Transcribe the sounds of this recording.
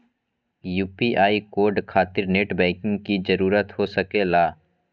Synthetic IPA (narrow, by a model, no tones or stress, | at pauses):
juːpiʔaːikoːɾɖkʰaːt̪ɪɾneːʈbɛ̃ːkɪ̃ŋɡkid͡ʒɐɾuːɾət̪ɦosɐkelaː